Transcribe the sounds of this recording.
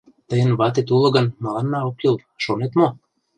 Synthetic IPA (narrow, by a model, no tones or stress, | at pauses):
t̪əjənβɑt̪̬et̪ulɤ̆ɡə̆nmɤlɑnːɑokjulˠ | ʃonet̪mo